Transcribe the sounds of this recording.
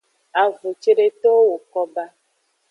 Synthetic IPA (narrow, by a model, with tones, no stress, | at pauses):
a˨vo˨t͡ʃe˦ɖe˦t̪o˦wo˨kɔ˦ba˦